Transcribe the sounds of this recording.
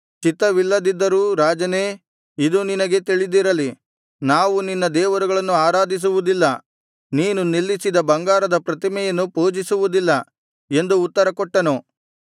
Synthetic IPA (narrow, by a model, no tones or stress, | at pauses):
t͡ʃit̪ːɐʋilːɐd̪id̪ːɐɾuːɾaːd͡ʒɐne̞ː | id̪uninɐɡe̞t̪iɭid̪iɾɐli | naːʋuninːɐd̪ɛːʋɐɾuɡɐɭɐnːuaːɾaːd̪is̬uʋud̪ilːɐ | niːnunilːisid̪ɐbɐŋɡaːɾɐd̪ɐpɾɐt̪imɛjɐnːupoːd͡ʒisuʋud̪ilːɐ | e̞nd̪uːt̪ːɐɾɐkɔʈːɐnu